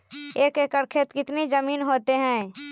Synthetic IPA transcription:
eːkeːkəɾkʰet̪kɪt̪nezɐmiːnɦoːt̪eɦɛ̃ː

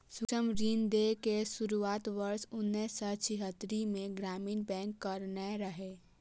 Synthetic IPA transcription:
sʊkəmɾiːnd̪ekesʊɾuaːt̪ʋəɾsʊnːɛsɔt͡ʃʰiɦət̪ːɾimẽɡɾaːmiːnbɛ̃ːŋkːəɾneɾəɦe

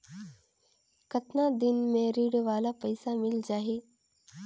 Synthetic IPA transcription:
kɐt̪nad̪ɪnmẽɾiːɽʋaːlapɐɪsamɪld͡ʒaːɦeː

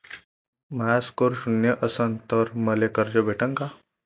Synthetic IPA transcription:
mɐaskoɾʃʊnjəʔɐsənt̪ɔɾmɐlekəɾd͡ʒobeːʈə̃ŋka

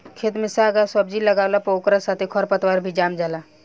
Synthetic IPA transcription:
kʰet̪mɪsaɡəswəbd͡ʒiləɡawlapokɾasat̪ʰikʰɔɾpət̪waɾbʱid͡ʒamd͡ʒala

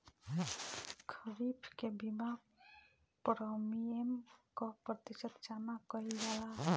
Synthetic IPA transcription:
kʰəɾipʰkebima | pɾɔmiemkɔpɾət̪isət̪t͡ʃanakɔiɡala

